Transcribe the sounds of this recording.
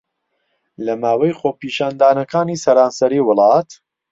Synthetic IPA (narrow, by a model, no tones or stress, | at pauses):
lɐmaːwɐjχoːpiːʃaːnd̪aːnɐkaːniːsɐɾaːnsɐɾiːwʊlˠɑːt̪